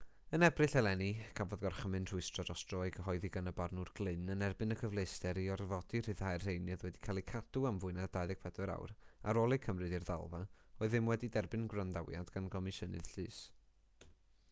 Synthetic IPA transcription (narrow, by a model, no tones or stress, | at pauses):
ənɛbrɨɬɛlˠɛnikʰavɔðɡɔrχəmɨnr̥ʊɨstrɔdɔstrɔɨɡəɦɔɨðiɡanəbarnʊrɡlˠɨnənɛrbɨnəkʰəvlˠejstɛɾiɔrvɔd̥ir̥ɨð̥hajrr̥ejnɨðwɛdi̥kʰaːlˠikʰad̥uamvʊɨnardajðɛɡ̥̚pʰɛdwɛɾa̰wra̰ɾolˠɨkʰəmrɨdirða̰lˠva | oːɨðɨmwɛdidɛrbɨnɡrandawja̰dɡanɡɔmɨʃənɨ̰ð̥ɬɨːs